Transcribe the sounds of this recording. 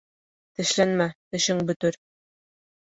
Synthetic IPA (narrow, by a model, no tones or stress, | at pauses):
t̪ɘ̆ʃlænmæt̪ɘ̆ʃɘŋbɵ̆t̪ɘɾ